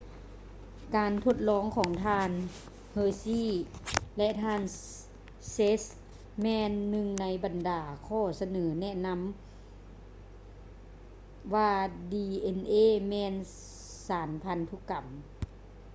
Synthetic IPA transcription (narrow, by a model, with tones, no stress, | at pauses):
kaː˨nt̪ʰo˧˩t̪̚lɔː˧˥˨ŋkʰɔː˩˦ŋt̪ʰaː˧n | hɤː˧siː˧˥˨lɛ˧ʔt̪ʰaː˧˩˨n | se˦˥s | mɛː˧nːɯ˧ŋna˧˥jba˨ndaː˨˩kʰɔː˧˩sa˧nɤː˩˦nɛ˧˥˨na˧˥m | ʋaː˧diː˧ʔe˧nʔeː˧˨mɛː˧n | saː˩˦npʰa˧˥nt̪ʰu˧˥˨ka˨˩m